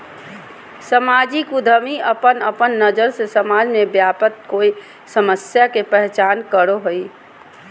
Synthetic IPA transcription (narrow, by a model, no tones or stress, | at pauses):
səmaːd͡ʒikud̪ʱəmiəpənəpənːəd͡ʒəɾsesəmaːd͡ʒmẽbjaːpət̪̚koːi | səməsjakepɛɦt͡ʃaːnkəɾoɦoi